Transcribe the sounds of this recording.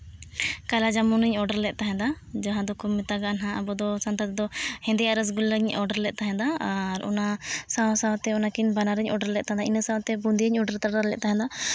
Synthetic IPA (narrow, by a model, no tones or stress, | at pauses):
kalad͡ʒamunəɲɔɖəɾlɛt̪̚ˀt̪aɦɛ̃d̪a | d͡ʒãɦãd̪ɔkɔmːɛt̪aɡanɦãʔabɔd̪ɔsant̪at̪d̪ɔhɛ̃nd̪ɛaɾəs̬ɡuləɲɔɖəɾlɛʔ̪̚t̪aɦɛ̃d̪aaɾɔ̰nasaw̃saw̃t̪ɛɔnakinbanaɾəɲʔɔɖəɾlɛt̪̚t̪aɦɛ̃d̪ainəsãw̃t̪ɛbund̪iəɲɔɖəɾt̪aɖaɾlɛ̰ʔ̚t̪aɦɛ̃d̪a